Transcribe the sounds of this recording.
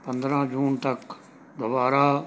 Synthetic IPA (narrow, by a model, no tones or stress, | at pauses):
pə̃nd̪ɾãːd͡ʒuːnt̪ɐk | d̪obaːɾa